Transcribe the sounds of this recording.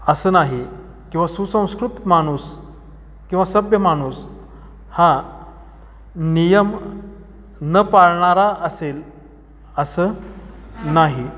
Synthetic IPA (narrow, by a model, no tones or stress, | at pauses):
əsəːnaɦi | kĩw̃ʋasusə̃w̃skɾut̪maɽ̃us | kĩw̃ʋasəbjəmaɽ̃us | ha | nijəm | nəpaɾɳaɾaʔəsel | əsəː | naɦi